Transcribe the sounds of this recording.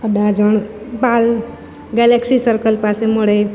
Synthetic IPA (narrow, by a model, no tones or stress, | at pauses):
əd̪ad͡ʒəɳbal | ɡɛleksisəɾkəlpasemoɽe